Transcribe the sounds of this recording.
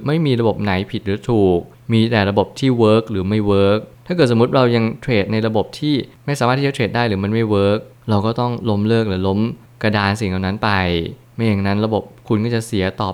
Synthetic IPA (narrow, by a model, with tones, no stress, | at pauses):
ma˥˩jmiː˧ɾa˧bo˨˩p̚na˩˦jpʰi˨˩t̪̚ɾɯː˩˦t̪ʰuː˨˩k̚ | miː˧t̪ɛː˨˩ɾa˧bo˨˩p̚t̪ʰiː˥˩wɤː˦˥k̚ɾɯː˩˦ma˥˩jwɤː˦˥k̚t̪ʰaː˥˩kɤː˨˩t̪̚so˩˦u˦˥t̪̚ɾa˧wja˧ŋt̪ʰɾeː˨˩t̪̚na˧jɾa˧bo˨˩p̚t̪ʰiː˥˩ma˥˩jsaː˨˦a˥˩t̪ʰːiː˥˩˧t̪ʰeː˨˩t̪̚daː˥˩jɾɯː˩˦ma˧nma˥˩jwɤː˦˥k̚ | ɾa˧wkɔː˥˩t̪ɔ˥˩ŋlo˦˥mlɤː˥˩k̚lɛ˩˦lo˦˥m | ka˧daː˧nsi˨˩˦ŋa˨˩wna˦˥npa˧j | ma˥˩ja˨˩ŋna˦˥nɾa˧bo˨˩p̚kʰu˧nkɔː˥˩t͡ɕa˨˩si˨˩˦ɐt̪ɔː˨˩